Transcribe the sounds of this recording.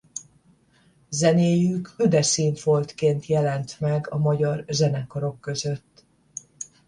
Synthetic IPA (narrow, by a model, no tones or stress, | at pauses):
zɛneːjykød̪ɛsiːnt̪fo̞lt̪keːnt̪jɛlɛnt̪mɛɡɒmɒɟɒrzɛnɛkɒɾo̞kːø̞zø̞t̪ː